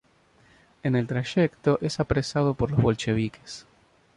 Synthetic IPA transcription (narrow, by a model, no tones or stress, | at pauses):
ene̞lt̪ɾaʃekt̪o̞ʔesapɾesað̞opoɾlozβo̞lt͡ʃe̞β̞ike̥s